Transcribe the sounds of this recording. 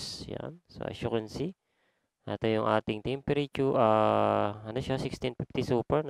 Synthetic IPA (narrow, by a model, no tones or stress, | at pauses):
ja̰nso̰ʔɐ̰ʃuɾɐnsi | ʔa̰t̪ɐjʊŋʔaːt̪ɪŋt̪ɛmpɛɾit͡ʃuʔaːɐnoʃasɪkst̪ɪnpift̪isuːpɛɹn